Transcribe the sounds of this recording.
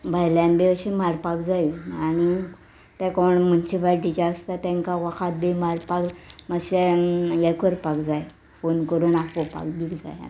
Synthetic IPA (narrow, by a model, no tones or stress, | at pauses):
bʱajlãnbeəɕemaɾpakd͡zajaɽ̃i | t̪ɛ̃kɔɳmənt͡ɕibaʈit͡ɕaəst̪at̪ɛ̃ŋkaʋakʰat̪̚bemaɾpakməɕɛjɛkʰəɾpakd͡zaj | fonkəɾunakopa̰kbikd͡za̰ja̰